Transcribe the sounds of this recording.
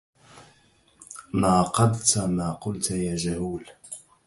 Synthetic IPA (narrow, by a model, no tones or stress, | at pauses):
maːqɑd̪t̪amaːqʊlt̪jaːd͡ʒahuːl